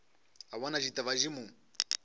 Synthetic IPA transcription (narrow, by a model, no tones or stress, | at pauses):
aβanaʒitʼaβaʒimu